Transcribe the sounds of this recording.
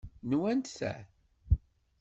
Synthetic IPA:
nwænt̪θæ̰

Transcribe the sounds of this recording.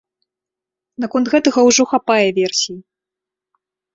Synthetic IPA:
nakɔnt̪ɣɛt̪ɐɣɐwʐɔxapajɛvʲɛrsʲiji

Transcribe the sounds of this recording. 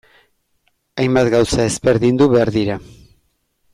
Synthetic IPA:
ajmbat̪ɡawsae̞zbe̞ɾðind̪uβe̞aɾðiɾa

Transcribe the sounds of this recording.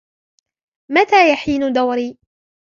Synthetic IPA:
mat̪aːjaħiːnʊd̪awɾiː

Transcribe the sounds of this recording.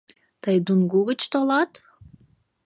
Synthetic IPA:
t̪ajd̪unɡuɣit͡ʃt̪olˠɑt̪

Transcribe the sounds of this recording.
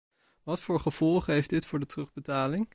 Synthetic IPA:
ʋɑtfʊːɹχəv̥ɔlˠχəɦejfdɪtfʊːɹdətrɵχbətaːlɪŋ

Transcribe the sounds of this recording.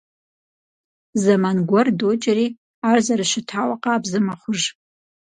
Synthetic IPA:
zamanɡʷardot͡ʃʼari | arzarɨʃɪtʰawaqʼaːbzɨmaχʷʊʒ

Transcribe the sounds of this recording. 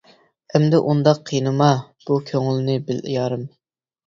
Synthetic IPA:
ɛmd̪ɛʔund̪ɑqʰːijnɨmɑ | b̥ukʲʰøŋɪlnɪbɪlɪ̰jɑːɾɨm

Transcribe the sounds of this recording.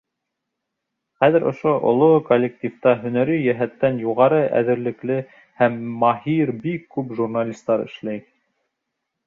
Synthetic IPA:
χæðɘ̆ɾŏ̰ʃoʔŏ̰lˠokolʲːek̚tʲift̪ɑɦɵ̆næɾɵjæɦæt̪ːænjuʁɑɾɤʔæ̰ðɘ̆ɾlɘ̆klɘ | hæmːɑhiɾbikːʉpʒurnalʲist̪ɑɾɘ̰̆ʃlæj

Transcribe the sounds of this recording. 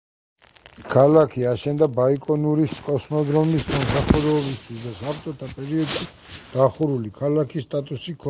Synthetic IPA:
kʰalakʰiaʃɛnd̪abaikʼɔnuɾiskʼɔsmɔd̪ɾɔmismɔmsaχuɾɛɔbist̪ʰwisd̪asapʰt̪t͡ʃ̪ʼɔt̪ʰapʼɛɾiɔd̪ʃi | d̪̥aχuɾulikʰalakʰisːt̪ʼat̪ʼusikʰɔ

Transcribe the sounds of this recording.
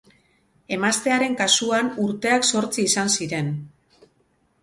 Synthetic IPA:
e̞mast̪e̞aɾe̞ŋkasuanuɾt̪e̞akso̞ɾt͡siːsansiɾe̞n

